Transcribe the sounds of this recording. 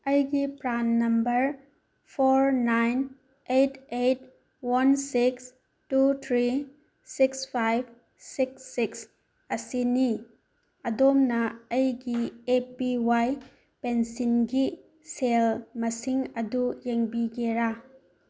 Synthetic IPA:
ɐjɡipɾanːɐmbɐɾ | pʰoɾnajn | etʰet̚ | wansiks | tut̪ʰɾi | sikspʰajb̚ | siksːiks | ɐsini | ɐdomnɐɐjɡiepiwaj | pensinɡi | selmɐsiŋɐdujeŋbiɡeɾa

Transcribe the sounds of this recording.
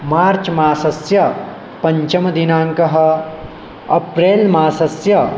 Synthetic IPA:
maːɾt͡ʃmaːsɐsjɐ | pɐɲt͡ʃɐmɐd̪inaːŋkɐɦɐ̆ | ɐpɾeːlmaːsɐsjɐ

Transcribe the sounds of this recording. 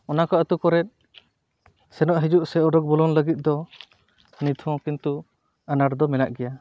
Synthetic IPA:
ɔnakaət̪ukɔɾɛt̪̚ | sɛnɔʔɦid͡ʒuʔsɛɔɖɔk̚bɔlɔnləɡit̪̚ˀd̪ɔ | nit̪ʰɔ̃kint̪u | anaɾd̪ɔmɛlaʔɡɛja

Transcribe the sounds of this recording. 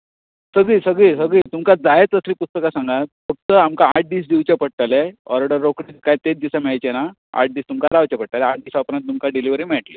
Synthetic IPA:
səɡɭiːsəɡɭisəɡɭiːt̪umkad͡zajet͡səsliːpust̪əkasãŋɡat̪̚fək̚t̪əamkaaʈ̚ɖiːs̬d̪iwt͡ɕapəɽ̚ʈaleɔɾəɽəɾːokɽikajt̪ed̪isamɛɭajt͡ɕena | a̰ʈ̚ɖiːst̪umkaɾawt͡ɕapəɽ̚ʈ̪aleaʈ̚ɖiːsapɾãnt̪t̪umkaɖiliʋɾiːm̤ɛʈli

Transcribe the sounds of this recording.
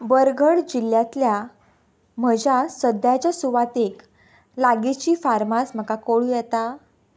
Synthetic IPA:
bəɾɡʱəɽd͡ʑiljãt̪lja | m̤əd͡ʑasəd̪jat͡ɕjasuʋat̪ek | laɡit͡ɕiːfaɾmasm̤əkakoɭuːjɛt̪a

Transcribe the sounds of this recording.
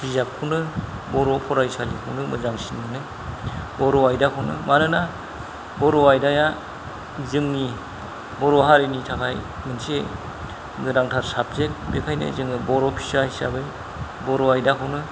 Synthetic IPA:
bizap̚kʰɯwnɯ | bɔɾɔpʰɔɾajsalḭkʰɯwnɯmɯzaŋsinmɯnɯ | bɔɾɔajdakʰɯwnɯ̰manɯna | bɔɾɔajdaja | zɯŋni | bɔɾɔɦaɾenitʰakʰaj | mɯnse | ɡɯɾaŋtʰaɾsap̚zek̚bekʰajnɯ̰zɯŋɯbɔɾɔpʰi̥sahisa̰bɯj | bɔɾɔajdakʰɯwnɯ

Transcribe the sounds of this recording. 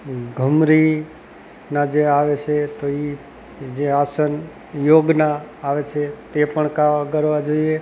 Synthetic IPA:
ɡʱəmɾi | nãd͡ʒeaʋet͡ʃʰet̪oi | d͡ʒeasən | joɡnaːʋet͡ʃʰet̪epəɳkaʋakəɾʋad͡ʒoie

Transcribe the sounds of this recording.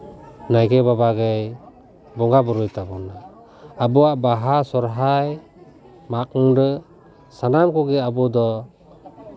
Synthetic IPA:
najɡɛbabaɡej | bɔŋɡabɔɾɔjt̪abɔnaː | bɔaʔbaɦasɔɾɦaj | mak̚ŋdɯ | sanamkɔɡɛabɔd̪ɔ

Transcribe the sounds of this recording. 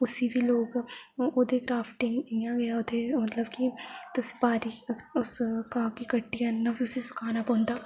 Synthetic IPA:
ʊsibʱiloːɡod̪eɡɾaːfʈɪ̃ŋɡijãɡɐjaʊd̪ʰemɐt̪ləbkit̪ʊse̥paːɾiʊskãːkikɐʈːiannãbʱiʊsisʊ̥kʰaːnapɔ̃ːnd̪aː

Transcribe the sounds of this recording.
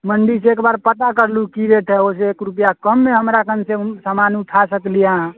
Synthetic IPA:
məɳɖiseekbaɾpət̪akəɾlukiɾeʈʰɛoseːkɾupjakəmːeɦəmɾakənsẽsamanuʈʰasəklijaɦ

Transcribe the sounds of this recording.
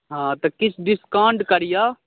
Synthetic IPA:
ɦãːt̪ɐkɪt͡ʃʰɖɪskãːɳɖkəɾɪjaː

